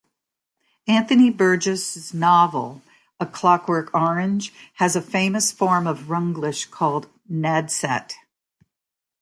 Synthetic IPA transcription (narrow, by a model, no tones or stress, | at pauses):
æ̃nθɨnibɜ˞d͡ʒɨsnɑvl̩ˠ | əkʰl̥ɑkwɜ˞kʰɔɹɨ̃nʒ̥ɨzɨfẽɪ̃mɨsfɔɹmʌvɹʌ̃ŋɡlɪʃkʰɔlˠd̚ | nɛd̥sɛ̰t